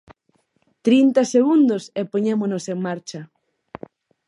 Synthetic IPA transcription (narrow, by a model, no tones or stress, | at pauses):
t̪ɾint̪ɐseɣund̪osepoɲemonoseŋmaɾt͡ʃɐ